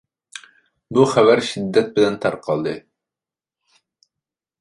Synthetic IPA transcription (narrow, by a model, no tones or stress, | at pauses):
buχævæɾʃid̪ːɛt̪̚bɪlɛnt̪ʰɑɾqʰɑlˠd̪ɨ